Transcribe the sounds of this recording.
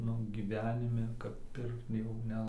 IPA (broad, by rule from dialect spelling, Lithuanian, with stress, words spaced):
ˈnʊ ɡʲiːˈʋʲæːnʲɪmʲɛ kɐp ˈpʲɪrkt jɛʊ ˈnʲɛ